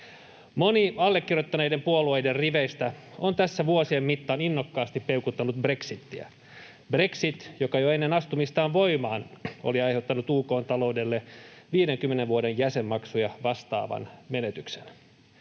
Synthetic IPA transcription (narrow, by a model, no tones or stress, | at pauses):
moniɑlːekːirjot̪ːɑneidempuoluejderriʋeist̪æont̪æsːæʋuosiemːit̪ːɑːninːokːɑːst̪ippeukut̪ːɑnut̪̚bre̞ksit̪ːiæ̰ | bre̞ksit̪jokɑjoenːenɑst̪umist̪ɑːʋʋo̞imɑːno̰liɑjheut̪ːɑnut̪uːko̞ːnt̪ɑlo̞ude̞lːeʋiːdeŋkymːeneʋʋuodejjæsemːɑksujɑʋɑst̪ɑ̰ːʋɑ̰nme̞net̪yksen